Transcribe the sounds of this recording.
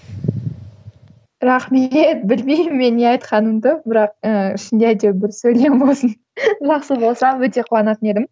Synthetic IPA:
ɾɑχmet̪̚bɪlmejɪmːe̞neɑjt̪qɑnəmd̪əbɪɾɑq̚əɪʃɪnd̪ejd̪ebɪɾsɵjlembo̞lˠsən | ʒɑχsəbo̞lˠsɑwɵt̪e̞qʰʊwɑnɑt̪əne̞d̪ɪm

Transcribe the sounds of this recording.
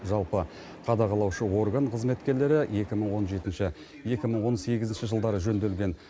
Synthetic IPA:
ʒɑlˠpə | qʰɑd̪ɑqʰɑlˠɑwʃəwo̞rɡanqʰəzme̞t̪kʲe̞ɾle̞ɾɪje̞kʲɪməɴwo̞nʒe̞t̪ɪnʃɪ | je̞kʲɪməɴwo̞nse̞ɡʲɪzɪnʃɪʒəlˠd̪ɑɾəʒɵnd̪e̞lɡʲe̞n

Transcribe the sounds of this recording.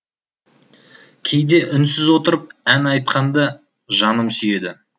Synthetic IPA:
kʲʰe̞jd̪e̞ʔʏnsɪzwo̞t̪əɾəp̚ænɑjt̪̚qʰɑnd̪ə | ʒɑnəmsʏje̞d̪ɪ

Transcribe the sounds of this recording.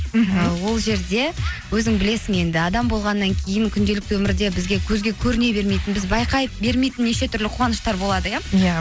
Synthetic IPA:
əwo̞lˠʒe̞ɾd̪e̞wɵzɪŋbɪle̞sɪŋe̞nd̪ɪɑd̪ɑmbo̞lˠʁɑnːɑŋkʲʰe̞jɪŋkʲʰʏnd̪e̞lɪk̚t̪wɵmɪɾd̪e̞bɪzɡʲe̞kʲʰɵzɡʲe̞kʲʰɵɾɪne̞be̞ɾme̞jt̪ɪnbɪzbɑjqɑjəp̚be̞ɾmejt̪ɪnːe̞ʃe̞t̪ʰʏɾlɪqʰuwʁɑnəʃt̪ɑɾbo̞lˠɑd̪əjaja

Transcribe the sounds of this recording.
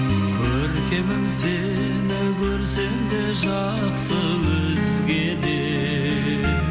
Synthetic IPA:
kʲʰɵɾk̪ʲe̞mɪnse | nɪkʲʰɵɾse̞md̪e̞ʒɑ | ɾəqsə | wɵ | zɪzɡʲe̞d̪e

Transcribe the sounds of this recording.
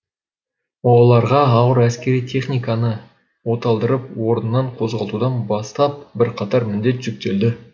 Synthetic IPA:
wolˠɑɾʁɑɑwəɾæskʲe̞ɾijt̪ʲʰe̞χnijkɑnə | wo̞t̪ɑlˠd̪əɾəp̚wo̞ɾənənːɑɴqʰo̞zʁɑlˠt̪ud̪ɑnbɑst̪ɑp̚bɪɾqʰɑt̪ɑɾmɪʏnd̪e̞t̪ʒ̥ʏk̚t̪e̞ld̪ɪ

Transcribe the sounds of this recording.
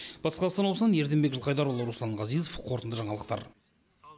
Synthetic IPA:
b̥ɑt̪əsqɑlˠɑsɑnosnɑnje̞ɾd̪embekʒəlˠqʰɑjd̪ɑɾwolˠəɾuslˠɑɴʁɑzijzofqʰo̞ɾt̪ənd̪əʒɑɴɑlˠəq̚t̪ɑ̰ɾ

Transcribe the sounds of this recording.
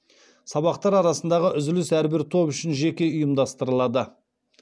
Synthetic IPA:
sɑβɑqt̪ɑɾɑɾɑsənd̪ɑʁəʔʏzɪlɪsæɾbɪɾt̪ʰo̞pʏʃɪnʒe̞kʲe̞ʊjəmd̪ɑst̪əɾəlˠɑd̪ə

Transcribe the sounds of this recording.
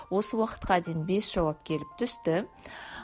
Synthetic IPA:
wo̞səwɑqə̥t̪̚qʰɑd̪ejɪnbe̞sʒ̥ɑwɑp̚kʲʰe̞lɪp̚t̪ʰʏst̪ɪ

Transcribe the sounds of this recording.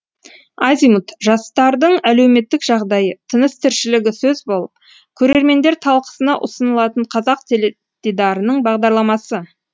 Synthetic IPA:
ɑzijmut̪ʒɑst̪ɑɾd̪əɴæle̞wme̞t̪ːɪkʒɑʁd̪ɑjət̪ʰənəst̪ʰɪɾʃɪlɪɡʲɪsɵzbo̞lˠəp̚ | kʲʰɵɾe̞ɾme̞nd̪e̞ɾt̪ʰɑlˠqə̥sənɑʔʊsənəlˠɑt̪əɴqʰɑzɑq̚t̪ʰel | t̪ed̪ɑɾənəɴbɑʁd̪ɑɾlˠɑmɑsə

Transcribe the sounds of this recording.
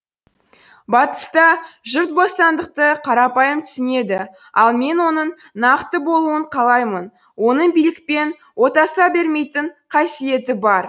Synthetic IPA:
bɑt̪ə̥st̪ɑʒʏɾt̪̚bost̪ɑnd̪əq̚t̪əqʰɑɾɑpɑjəmt̪ʰʏ̥sɪne̞d̪ɪ | ɑlˠme̞nwo̞nəɴ | nɑqt̪əbo̞lˠuəɴqʰɑlˠɑjmən | wo̞nəɴbijlɪk̚pe̞n | wo̞t̪ɑsɑbe̞ɾme̞jt̪ɪɴqʰɑsije̞t̪ɪbɑɾ

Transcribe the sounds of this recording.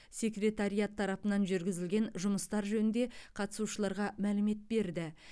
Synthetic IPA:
sʲe̞krʲe̞t̪aɾijat̪ʰːɑɾɑpənɑnʒʏɾɡʲɪzɪlɡʲe̞nʒʊməst̪ɑɾʒɵnɪnd̪e̞qʰɑt̪əsuʃəlˠɑɾʁɑmælɪme̞t̪̚be̞ɾd̪ɪ

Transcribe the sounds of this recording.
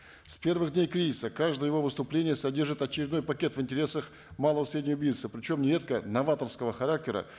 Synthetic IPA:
spʲe̞rvɨɣd̪ʲnʲejkɾʲizʲɪsəkaʐd̪əjəjɪvo̞vɨst̪ʊplʲenʲɪjəsɐdʲe̞rʐɨt̪ɐt͡ɕɪɾʲɪd̪no̞jpɐkʲe̞t̪vɨnʲtʲɪɾʲe̞səx | malˠəvəsɾʲedʲnʲjʊbʲijt̪səpɾʲɪt͡ɕo̞mnʲɪɾʲe̞t̪̚kənɐvat̪ərskəvəxɐɾak̚tʲɪɾə̰

